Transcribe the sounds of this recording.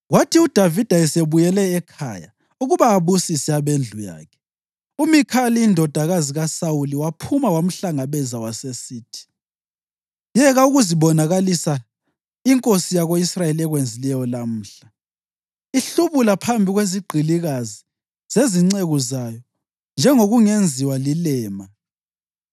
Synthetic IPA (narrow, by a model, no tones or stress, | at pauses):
watʰiud̥ʱavid̥ʱaɛseβujɛlɛːkʰa̰ja̰ | uɣuβaːβusisɛaβend͡ɮʱuja̰ːkʰɛ̥ | umikʰaliːndʱɔd̥ʱaɣaziɣasauliwapʰumawam̩ɬaŋaβɛzawasesiːtʰi̥ | jɛɣauɣuziβɔnaɣalisa | iŋkʼosijaɣoisrajelɛɣwend͡zʱilɛjɔlam̩ːɬa | iɬuβulapʰambʱiɣweziɡ͡ǃʱiliɣazi | zeziŋ͡ǀeɣuzajɔ | nd͡ʒʱɛŋoɣuŋend͡zʱiwalilɛːma